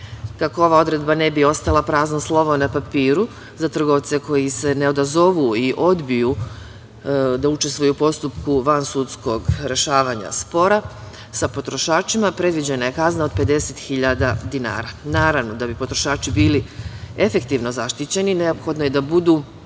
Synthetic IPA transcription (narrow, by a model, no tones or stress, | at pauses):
kakoo̞ʋaːo̞d̪ɾe̞d̪bane̞bio̞st̪alˠapɾaːznoslˠo̞ʋonapapiːɾu | zat̪r̩ɡo̞ʋt̪se̞ko̞jise̞ne̞o̞d̪azo̞ʋuiʔo̞d̪biju | d̪aut͡ʃe̞st̪ʋujupo̞st̪upkuʋansut̪sko̞ɡɾe̞ʃaːʋaːɲa̰spo̞ɾa | sapot̪ɾo̞ʃaːt͡ʃimapɾe̞d̪ʋid͡ʑenaje̞kaznao̞d̪̚pe̞d̪e̞set̪xiʎad̪ad̪ina̰ːɾanaːɾaʋno̞d̪abipo̞t̪ɾoʃaːt͡ʃibiːlie̞fe̞kt̪iʋno̞zaʃt̪it͡ɕe̞nine̞o̞pxo̞d̪noje̞d̪abud̪uː